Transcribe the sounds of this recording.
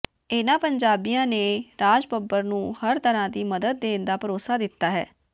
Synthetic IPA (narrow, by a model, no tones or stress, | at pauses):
ɪnãːpəɲd͡ʒaːbijãːneːɾaːd͡ʒpəbːəɾnũːhəɾt̪əɾãːd̪iːməd̪əd̪̚ːeːnd̪aːpəɾoːsaːd̪ɪt̪ːaːɦɛ̰ː